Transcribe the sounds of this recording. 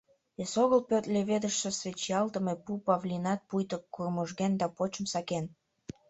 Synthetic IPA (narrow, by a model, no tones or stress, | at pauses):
esoɣəlpøt̪lʲeβed̪əʃːə̆sɾet͡ɕjɑlt̪əmepupɑvlʲinɑt̪̚pujt̪əkːurməʒɣend̪ɑpot͡ɕə̆msɑken